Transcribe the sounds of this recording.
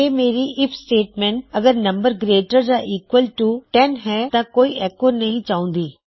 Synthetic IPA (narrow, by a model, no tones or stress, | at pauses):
eːmeːɾiːʔɪpʰsʈeːʈmɛ̃ɳʈəɡəɾnəmbəɾɡɾeːʈəɾd͡ʒaːʔiːkwəlʈuʈɛnɦɛːt̪ãːkoːiːʔɛːkoːɾnəɦĩːt͡ʃaːʊ̃ːnd̪iː